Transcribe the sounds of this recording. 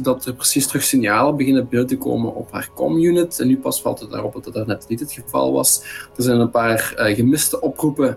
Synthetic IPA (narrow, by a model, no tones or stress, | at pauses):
dɑtərprəsistrɵxsɪnjaːləbəɣɪnəəbənytəko̰ːmənɔ̰pɦa̰ːrkɔ̰mjunɪtɛnːypɑsfɑ̰lˠtət̚da̰ːrɔpdɑtərnɛtnitɦətxəvɑ̰lˠʋɑ̰sd̥əɹzɛjnənpaːrɣəmɪstəʔɔprupə